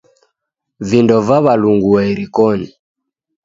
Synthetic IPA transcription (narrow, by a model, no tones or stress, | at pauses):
vindɔvaβaluŋɡuɛiɾikɔni